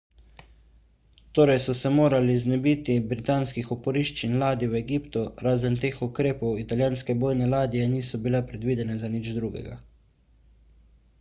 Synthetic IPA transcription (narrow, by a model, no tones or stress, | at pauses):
t̪oːɾɛjsɔsɛmoːɾaliznɛbit̪ibɾit̪aːnskixɔpɔɾiʃt͡ʃinlaːd̪iwɛɡipt̪uɾaːzənt̪eːxukɾeːpɔwit̪aljaːnskɛboːjnɛlaːd̪ijɛniːsɔbilɛpɾɛd̪ʋiːd̪ɛnɛzanid͡ʒd̪ɾuɡɛ̰ɡa̰